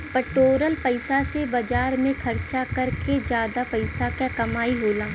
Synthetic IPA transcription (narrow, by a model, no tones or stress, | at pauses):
pəʈoːɾəlpɐɪsasebɐd͡ʒaːɾmẽkʰɐɾt͡ʃakɐɾked͡ʒjaːd̪apɐɪsakakɐmaːiɦoːlaː